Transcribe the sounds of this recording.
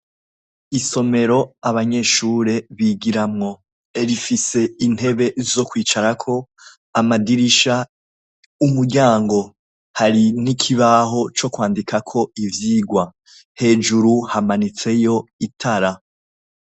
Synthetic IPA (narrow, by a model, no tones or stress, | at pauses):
iso̞me̞ɾo̞aβaɲe̞ʃuːɾe̞βiɡiɾamŋo̞ | eɾifise̞in̥e̞βe̞zo̞kwiːt͡ʃaɾakʰo̞ | amadiɾiʃa | umuɾɟaːŋɡo̞ | haɾinikʰiβaːɦo̞t͡ʃo̞kwaːndikakʰo̞ivjiːɡwa | he̞ːd͡ʒuɾuhamanit͡se̞jo̞itʰaɾa